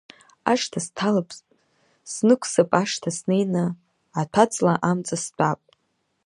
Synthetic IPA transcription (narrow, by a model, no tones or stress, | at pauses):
a̰ʂtʰastʰalapʰ | snɨkʷʰsapʼaʂtʰasne̞jnɨ | atʷʰat͡sʼlaʔamt͡sʼast͡pʰʷʼapʼ